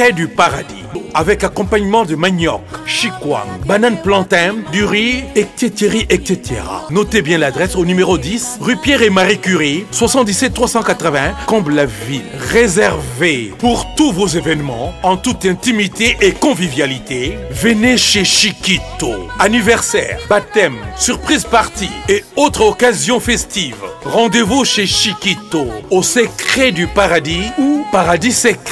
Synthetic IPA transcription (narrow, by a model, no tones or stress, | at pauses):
pɛd̪ypaʁad̪ḭavɛkakɔ̃paɲmɑ̃d̪əmaɲɔkʃikwa̰bananplɑ̃t̪ɛ̃d̪yʁiɛkt̪et̪eʁiʔɛkset̪ʰḛʁa̰nɔt̪ebjɛ̃lad̪ʁɛsonymeʁod̪isʁypjɛʁemaʁikyʁiswasɑ̃t̪̚d̪isɛt̪ːχwasɑ̃kat̪χəvɛ̃kɔ̃blaviʁezɛʁvepuʁt̪uvozevɛnmɑ̰̃ɑ̃t̪ut̪ɛ̃t̪imit̪eʔekɔ̃vivjalit̪evəneʃeʃikit̪oanivɛʁsɛ̰ːʁbat̪ɛmsyʁpχizpaʁt̪ieot̪χɔkazjɔ̃fɛst̪ivʁɑ̃d̪evuʃeʃikit̪oosəkχed̪ypaʁad̪iupaʁad̪isɛk